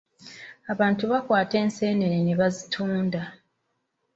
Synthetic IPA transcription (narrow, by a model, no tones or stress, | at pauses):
aβaːntuβakwaːte̞ːnse̞ːne̞ɾeneβazitʰuːnda